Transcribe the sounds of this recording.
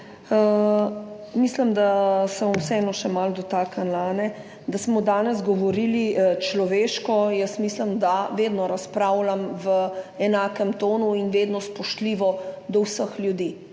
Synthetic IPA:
misləmd̪asɛʋamwsɛɛnɔʃɛmald̪ɔt̪aːkanlaːnɛ | d̪asmɔd̪aːnɛzɡɔʋɔɾilit͡ʃlɔʋeːʃkɔjəsmisləmd̪aʋed̪nɔɾaspɾaːwlamʋəɛnaːkɛmt̪oːnuinʋeːd̪nɔspɔʃt̪liʋɔd̪ɔwsəxljud̪iː

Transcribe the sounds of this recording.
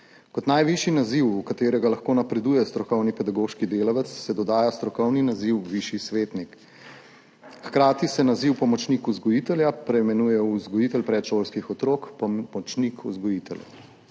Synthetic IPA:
kɔt̪najʋiʃinaziwukat̪eːɾɛɡalaxkoːnapɾɛd̪uːjɛst̪ɾɔkɔwnipɛd̪aɡoːʃkid̪eːlaʋɛt̪sːɛd̪ɔd̪aːjast̪ɾɔkɔwninaziwʋiʃisʋeːt̪nik | xkɾaːt̪isɛnaziwpɔmɔt͡ʃnikuzɡɔjit̪ɛljapɾɛjmɛnuːjɛuzɡɔjit̪ɛlpɾɛt̪ʃoːlskixɔt̪ɾoːkpɔmɔt͡ʃnikʰṵzɡɔjit̪ɛljɛ̰

